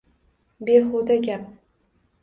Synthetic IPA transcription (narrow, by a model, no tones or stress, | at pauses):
beχod̪aɡʲap̚